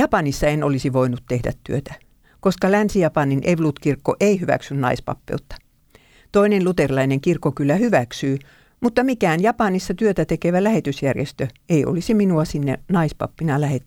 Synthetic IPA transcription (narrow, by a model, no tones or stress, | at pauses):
jɑpɑnisːɑenolisiʋoinut̪t̪ehdæ̰t̪tyøt̪æ̥ | koskɑlænsijɑpɑninʔeʋlut̪kirkːoʔeihyʋæ̰ksynnɑ̰ispɑ̰pːḛut̪ːɑ̥ | t̪oinenlut̪erlɑineŋkirkːokylːæhyʋæksyː | mut̪ːɑmikæːnjɑpɑnisːɑt̪yøt̪æt̪ekeʋælæhet̪ysjærjḛst̪øeio̰lisiminuɑsinːenɑispɑ̰pːinɑlæhet̪ː